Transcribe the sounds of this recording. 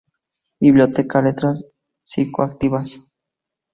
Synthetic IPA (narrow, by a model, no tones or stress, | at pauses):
biβljot̪ekalet̪ɾas | sikoak̚t̪iβas